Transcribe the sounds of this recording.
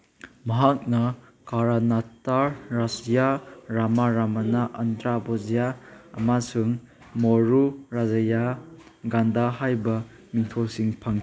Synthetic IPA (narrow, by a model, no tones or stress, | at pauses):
mɐɦak̚nɐ | kaɾanataɾɾasijaɾamaɾamanaʔɐndɾabozijaɐ̰masuŋ | moɾuɾazaja | ɡandahajbɐ | miŋtʰolsiŋpʰaŋ